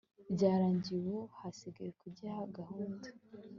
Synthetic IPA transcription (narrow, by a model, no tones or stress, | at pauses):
bɟaːɾaːɲɟiwohasiɡajekuɟahaɡahundḁ